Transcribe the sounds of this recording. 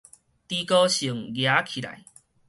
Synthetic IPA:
t̪i˧kɔ˦ɕi˨˩əŋɡja˨˦kʰi˨la̰˨j

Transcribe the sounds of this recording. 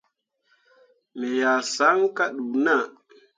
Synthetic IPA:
me˨ja˨sa˨˦ŋka˦ɗu˨na˦˨

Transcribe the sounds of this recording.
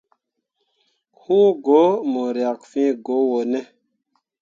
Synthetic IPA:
hu˦ɡo˨˦mo˨ɾja˨k̚fĩ˦ɡo˨˦wo˨ne˦

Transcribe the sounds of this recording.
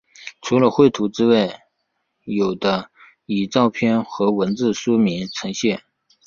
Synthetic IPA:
ʈ͡ʂʰu˧˥lə˧xwe˥˩ɪt̪ʰu˧˥ʈ͡ʂɻ̩˥we˥˩ɪ | jo˨˩ʊd̪ə˦ | i˨˩t͡sɑ˥˧ʊpʰjɛ˥nxɤ˧˥wə˧˥nt͡sɹ̩˥˩ʂu˥mi˧˥nt͡sʰɤ˧˥ŋɕjɛ˥˩n

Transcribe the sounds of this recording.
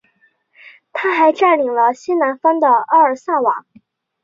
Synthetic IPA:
t̪ʰa˥xa˧˥ɪʈ͡ʂa˥˩nli˨˩ŋlə˧ɕi˥na˧˥nfɑ˥ŋd̪ə˨ʔɑ˥ə˞˨˩sa˥˩wa˨˩˦

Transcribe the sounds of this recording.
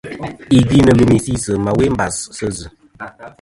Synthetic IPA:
i˨ɡi˦nə˨lu˨mi˨si˦sə˨ma˨we˦m̩˦ba˨ssə˦zɨ˨

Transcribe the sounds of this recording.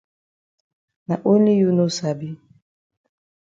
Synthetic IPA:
na˨ʔo˦li˦ju˦no˦sa˨bi˦

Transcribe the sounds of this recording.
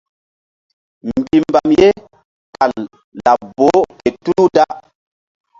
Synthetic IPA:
m˨bi˨mba˨mje˦ | ka˨l | la˨bo˨˦ke˨tu˦lu˦da˦

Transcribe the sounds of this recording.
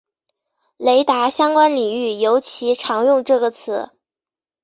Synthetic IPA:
le˧˥ɪt̪a˧˥ɕjɑ˥ŋkwa˥nli˨˩ŋy˥˩jo˧˥ʊt͡ɕʰi˧˥ʈ͡ʂʰɑ˧˥ŋjʊ˥˧ŋʈ͡ʂɤ˥˩ɡə˩t͡sʰɹ̩˧˩˦

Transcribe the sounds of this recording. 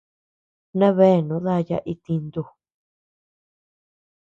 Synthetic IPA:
nã˦βe˦˨nũ˨˦ða˦˧ja̰˧˦ʔi˧t̪i˧nd̪u˧

